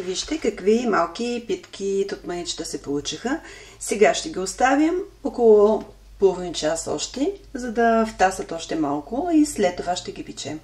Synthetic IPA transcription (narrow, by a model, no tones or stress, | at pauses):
viʃt̪ɛkɐkvimalˠkʲipit̪k̟ʰʲiːt̪ot̪mɐnit͡ʃt̪əsɛpolˠut͡ʃixə | sɛɡaʃt̪ɛɡʲiost̪avʲəmokolˠo | pɤlˠvint͡ʃasɔ̰ʃt̪ɛzɐd̪ɐft̪asət̪ɔʃt̪ɛmalˠkʊislɛt̪ːovaʃt̪ɛɡʲipit͡ʃɛ̰m